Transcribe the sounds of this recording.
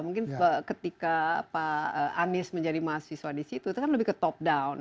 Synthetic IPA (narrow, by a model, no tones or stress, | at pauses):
muŋkɪnəkət̪ikapaəʔanɪsməɲd͡ʒadimaasiswadisit̪ut̪ukanləbɪhkət̪ɔp̚dawn